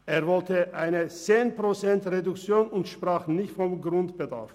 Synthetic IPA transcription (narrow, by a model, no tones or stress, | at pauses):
ʔeːɐvɔltəʔaɪnət͡seːnpʁ̥ot͡sɛntʁedʊkt͡sjoːnʊntʃpʁ̥aːχnɪçtfɔmɡʁʊntb̥əda̰ɐf